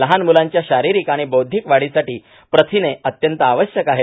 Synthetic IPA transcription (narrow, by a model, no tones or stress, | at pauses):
ləɦanmulaɲt͡ɕjaɕaɾiɾikaɽ̃ibowd̪ʱikʋaɽisaʈiː | pɾət̪ʰineət̪jənt̪əaʋəɕjəkaɦe